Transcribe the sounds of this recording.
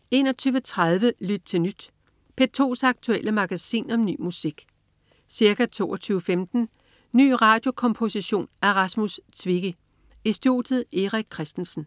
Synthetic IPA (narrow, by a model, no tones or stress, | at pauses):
e̝ːnɒt͡sʰyːʊʋət͡sʰʁaðˠʋəlyd̥̚t͡sʰe̝lnyd̥ | pʰe̝t͡sʰo̝̰ːsɑ̈ɡ̥̚t͡sʰueləmɑ̈ɡ̥æsḭːnɒ̽mny̰ːmusiɡ̥ | siɐkæt͡sʰo̝̰ːɒt͡sʰyːʊəfemd̥n̩ | ny̰ːʁɑ̈ːd̥jo̝kʰɒ̽mpʰo̝siɕo̝̰ːnæɐʁɑsmust͡sʰʋiɡ̥ə | e̝sd̥io̝̰ːd̥ð̩ˠe̝ʁaɡ̥̚kʰʁɛsd̥n̩sn̩